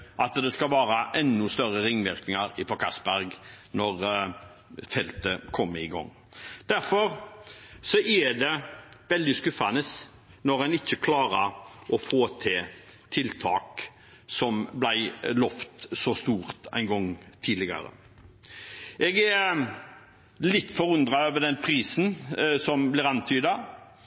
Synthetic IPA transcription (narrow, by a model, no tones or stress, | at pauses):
ʔɑt̪d̪ɛskɑʋɑːɾəʔɛnːʉst̪œɾəɾɪŋːʋɪɾknɪŋɑɾɪfɔkʰɑsbæɾɡnɔɾ | fɛlt̪əkʰɔmːəɪɡɔ̰ŋː | d̪̥æɾfɔɾ | sɔʔæd̪ɛʋɛld̪ɪskʉfɑnəs | nɔɾænɪçːəkʰlɑːɾəɔfoːt̪ʰɪt̪ʰɪlt̪ʰɑ̰ːk | sɔmblæɪlɔft̪sɔst̪uːɾt̪æ̰ɪnɡɔŋːt̪ʰiːd̪lɪɡɑ̰ɾə̰ | ɛːɡæ | lɪt̪ːfɔɾʉnd̪ɾɑøːʋəɖ̪ɛnpʰɾiːsnsɔmblɪɾɑnt̪ʰyːd̪ɑ